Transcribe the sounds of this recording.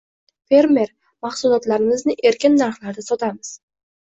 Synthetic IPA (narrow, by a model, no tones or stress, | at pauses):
fe̞ɾme̞ɾ | maχsʊlˠɒt̪laɾɪmɪznɪʔe̞ɾkʲɪnːaɾχlaɾd̪asɒt̪ʰamɪz̥